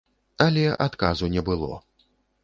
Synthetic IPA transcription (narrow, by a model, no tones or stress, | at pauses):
alʲɛʔat̪kazunʲɛbɨlˠɔ̰